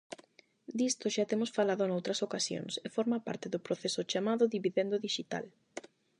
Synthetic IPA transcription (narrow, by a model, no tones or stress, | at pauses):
d̪ist̪ʊʃat̪emʊsfalaðʊnowt̪ɾɐsokasjo̰ŋsefɔɾmapa̰ɾt̪ɪðʊpɾoθesʊt͡ʃamaðʊðiβiðend̪ʊðiʃit̪a̰l